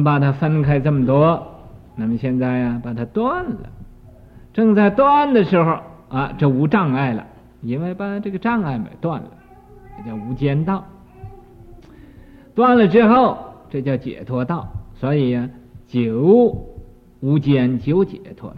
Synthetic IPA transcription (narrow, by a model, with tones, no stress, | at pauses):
pa˨˩t̪ʰa˥fə˥nkʰa˥ɪʈ͡ʂə˥˩mə˩t̪wɔ˥na˥˩mə˨ɕjɛ˥˧nt͡sa˥˩ɪa˩pa˨˩t̪ʰa˥t̪wa˥˩nlə̰˩ | ʈ͡ʂɤ˥˧ŋt͡sa˥˧ɪt̪wa˥˧nd̪ə˨ʂɻ̩˧˥xo˧ʊa˧˩ʈ͡ʂɤ˥˩u˧˥ʈ͡ʂɑ˥˧ŋa˥˩ɪlə̰˨˩ | i˥nwe˥˧ɪpa˨˩tʰa˥ʈ͡ʂɤ˥˩ɡə˩ʈ͡ʂɑ˥˧ŋa˥˩ɪmḛ˨˩˦t̪wa˥˩nlə̰˩ | a˨˧˩t͡ɕjɑ˥˩ʊu˧˥t͡ɕjɛ˥nt̪ɑ˥˩ʊ | t̪wa˥˩nlə˨ʈ͡ʂɻ̩˥xo˥˩ʊʈ͡ʂɤ˥˧t͡ɕjɑ˥˩ʊt͡ɕjɛ̰˨˩t̪ʰwɔ˥t̪ɑ˥˩ʊswɔ˧˥i˨˩a˧t͡ɕjo˨˧˥ʊ | u˧˥t͡ɕjɛ˥nt͡ɕjo˧˥ʊt͡ɕjɛ̰˨˩t̪ʰwɔ̰˥